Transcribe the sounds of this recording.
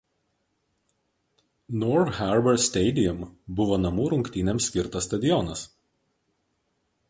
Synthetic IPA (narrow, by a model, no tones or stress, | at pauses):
nɔɾxʲɛɾbʲɛɾsʲt̪ʲɛɪd̪ʲɪjʊmbʊʋoːnɐmuːɾʊŋʲkt̪ʲiːnʲɛmsʲkʲɪɾt̪ɐst̪ɐd̪ʲɪjɔnɐs